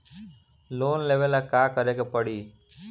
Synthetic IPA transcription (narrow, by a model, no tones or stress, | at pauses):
loːnleːʋəlaːkaːkəɾeːkepəɽiː